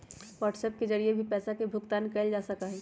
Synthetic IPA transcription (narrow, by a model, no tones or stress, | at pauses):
ʋaːʈsɛːp̚ked͡ʒɐɾiebʱipɛːsakebʱʊɡt̪aːnkɛːld͡ʒaːsɐkaɦɛ